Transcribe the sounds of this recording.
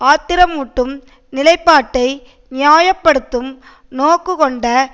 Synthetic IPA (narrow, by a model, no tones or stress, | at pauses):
aːt̪ːɪɾɐmuʈːɯm | nɪlɐɪpːaːʈːɐɪ | nɪjaːjɐpːɐɽɯt̪ːɯm | noːkːɯkɔɳɖɐ